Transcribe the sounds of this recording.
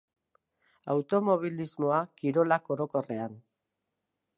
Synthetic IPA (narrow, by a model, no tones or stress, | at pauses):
a̰wt̪o̞mo̞βilizmo̞akiɾo̞lako̞ɾo̞ko̞re̞an